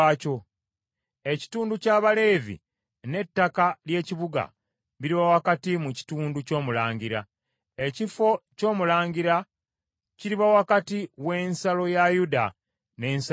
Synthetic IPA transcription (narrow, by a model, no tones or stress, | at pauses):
co̞ | e̞ci̥tuːnducaːβale̞ːvḭ | ne̞tːakalje̞ːciβuɡa̰ | βiɾiβawakatimuci̥tuːnduco̞ːmulaːɲɟiɾa | ecifo̞co̞ːmulaːɲɟiɾa | ciɾiβawakatiwe̞ːnsalo̞jajuda̰ | ne̞ːns